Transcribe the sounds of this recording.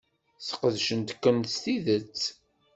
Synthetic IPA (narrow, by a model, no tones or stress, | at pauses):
θə̥qəðʃənt̪kːənt̪st̪iðət͡sː